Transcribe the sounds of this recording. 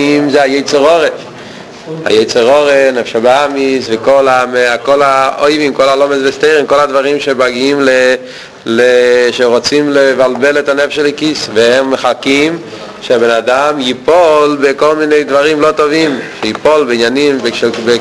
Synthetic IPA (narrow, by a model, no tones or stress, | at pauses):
mzɛajejt͡seʁoʁe | ha̰jɛjt͡seʁoʁenɛfʃabeamisvɛkolameakolaojvimkolalomezbɛst̪ejʁimkolad̪vaʁimʃebaɡiimle | leʃeʁot͡simlevalbelɛtanɛfʃelikisvɛhɛmːeχakim | ʃeabenadamjipolbekolminejdvaʁimlot̪ovimʃejipolbeinjanimbʃbe